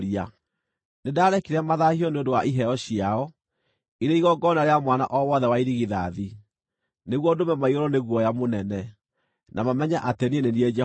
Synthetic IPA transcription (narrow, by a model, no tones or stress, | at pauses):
ɾia | nedaːɾɛkiɾamaðahiɔneondowaʔiɦɛɔɕiaɔ | iɾeiɣɔɡɔnaɾeamwanaʔɔwɔðɛwaiɾiɣiðaði | neɣwɔdomɛmaiɔɾɔneɣwɔjamonɛnɛ | nʔamamɛɲaʔatenienenied͡ʒɛ